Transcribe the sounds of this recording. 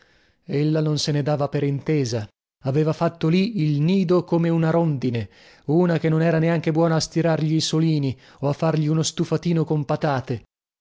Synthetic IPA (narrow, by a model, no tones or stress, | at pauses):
elːanonsened̪aːvapeɾint̪eːza | aveːvafat̪ːoliilniːd̪okomeunaɾond̪ine | uːnakenːonɛːɾaneaŋk̟ebwɔːnaːst̪iɾarʎiːsoliːni | oafːarʎiunost̪ufat̪iːnokompat̪aːt̪e